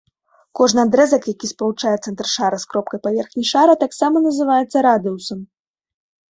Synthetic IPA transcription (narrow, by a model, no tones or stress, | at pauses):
kɔʐnɨad̪ɾɛzɐkjakʲispɐlˠut͡ʂajɛt̪sɛnt̪ɾrʂaɾɐskɾɔp̚kɐjpavʲɛrxnʲijʂaɾɐt̪aksamɐnɐzɨvajɛt̪sːɐɾad̪ɨusɐm